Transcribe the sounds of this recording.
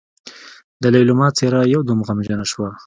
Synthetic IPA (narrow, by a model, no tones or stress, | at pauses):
d̪əlajlʊmɑt͡seɾajawd̪umɣamʒənaʃwa